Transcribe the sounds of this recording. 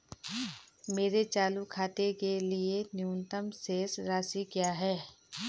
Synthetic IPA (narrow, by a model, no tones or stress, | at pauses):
meːɾet͡ʃaːlukʰaːt̪ekelienjuːnt̪əmseːsɾaːsikjaːɦɛː